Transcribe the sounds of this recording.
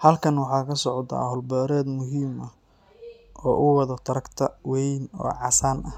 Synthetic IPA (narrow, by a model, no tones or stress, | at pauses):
hɐlkʰɐnwɑħɑːkʰɐsɔʕɔd̪a̰hɔlbɔːɾɛːd̪mʊɦiːmɐ | ʔɔːʔʊwɑðɐt̪ʰɐɾɐkt̪ʰɐwɛjnɔ̰ːʕɑsaːnʔɐ